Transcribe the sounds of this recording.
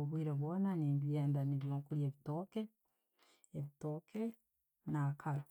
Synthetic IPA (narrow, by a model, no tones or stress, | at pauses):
oβwiɾaβonaniːmbjeːndaniβjoːŋkuɾjeβitoke | eβitoke | nakʰaɾo